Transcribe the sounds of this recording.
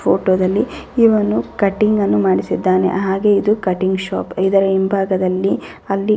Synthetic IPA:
pʰoːʈoːd̪ɐlːiiʋɐnukɐʈiŋɡɐnːumaːɽisid̪ːaːnḛʔɦaːɡe̞id̪ukɐʈiŋɡʃaːpid̪ɐɾeimbʱaːɡɐd̪ɐlːi | ɐlːi

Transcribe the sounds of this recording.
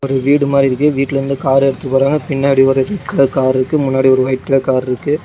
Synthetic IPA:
ɔɾɯʋiːɽɯmaːd̪ɾɪɾɯkːɯʋiːʈːɪlɐɾɯnd̪ɯkaːɾɛɽɯt̪ːɯkɯpːoːɾaːŋɡɐpɪɳːaːɽiɔɾɯɾɛʈkɐɭɐkaːɾɪɾɯkːɯmʊnːaːɽiɔɾɯʋɐɪʈkɐɭɐkaːɾɪɾɯkːɯ

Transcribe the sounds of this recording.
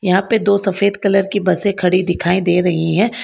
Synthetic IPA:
jɐɦãːped̪oːsɐfeːd̪kɐləɾkibɐsẽkʰɐɽid̪ɪkʰaːĩd̪eːɾɐɦiɦɛ̃ː

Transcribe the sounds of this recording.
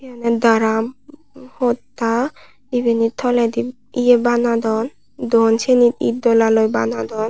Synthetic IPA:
ianɛd̪aɾam | hot̪ːḁ | ibenit̪ʰɔled̪i | iebanad̪ɔn | d̪ɔnt͡ʃenit̪ḭd̪ːɔlalojba̰nad̪ɔn

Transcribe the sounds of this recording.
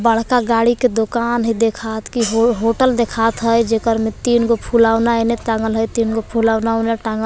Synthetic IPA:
bəɽ̤kaɡaːɽiked̪okaːnɦid̪ekʰat̪kiɦɦoʈəld̪ekʰat̪ɦəjd͡ʒekəɾmẽt̪iːnɡopʰulaːwnaeneʈaŋɡəlɦəjt̪iːnɡopʰulaːʊnaoneʈaŋɡə

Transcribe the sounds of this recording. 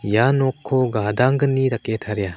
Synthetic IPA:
janɔkʰːɔɡad̪aŋɡɯnidaket̪ʰaɾja

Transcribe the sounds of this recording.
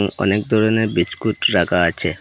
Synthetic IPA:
ŋɔ̰nekd̪ʱɔɾonebit͡ɕkuʈɾakʰaat͡ɕʰe

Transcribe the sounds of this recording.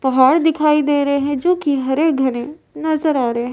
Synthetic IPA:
pɐɦaːɽd̪ɪkʰaːid̪eːɾɐɦeɦɛ̃d͡ʒõːkiɦɐɾeːk̚ɡʱɐnẽnɐzəɾaːɾəɦeɦɛ̃

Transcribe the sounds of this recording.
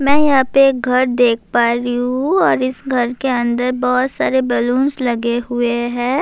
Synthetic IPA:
mɛ̃ːjɐɦãpeeːk̚ɡʱɐɾd̪eːk̚ʰpaːɾiɦũɔːɾɪsɡʱɐɾkeɐ̃nd̪əɾbɔːt̪saːɾebɛlũːnslɐɡeɦʊeɦɛ̃ː

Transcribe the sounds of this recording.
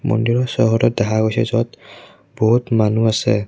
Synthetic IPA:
mɔ̰ndiɹɔsɔɦɔɾɔt̚dɛɦaɡojsɛzɔt | b̥ɔɦutmanuasɛ̰

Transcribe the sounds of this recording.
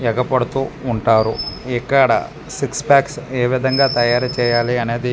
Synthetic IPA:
ɛɡɐpɐɽut̪uːɳʈaːɾuikːɐɽɐ̰ | sikspaːkseːʋid̪ʱɐŋɡaːt̪ɐjaːɾɐt͡ʃɛːjaːliɐneːd̪i

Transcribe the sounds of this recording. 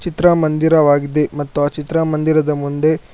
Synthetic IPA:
t͡ʃit̪ɾɐmɐnd̪iɾɐʋaːɡid̪e̞mɐt̪ːuat͡ʃit̪ɾɐmɐnd̪iɾɐd̪ɐmund̪e̞

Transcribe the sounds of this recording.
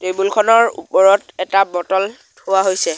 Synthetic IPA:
tebulkʰɔnɔɹṵpɔɹɔtɛtabɔtɔlʰ | owaɦojsɛ

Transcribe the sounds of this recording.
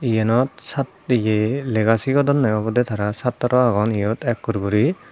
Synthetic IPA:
ijɛnɔt̚sat | ijelɛɡasiɡɔdɔnːajɔbɔdɛtʰaɾasatːɔɾɔaɡɔnijɔtɛkːuɾɡuɾi

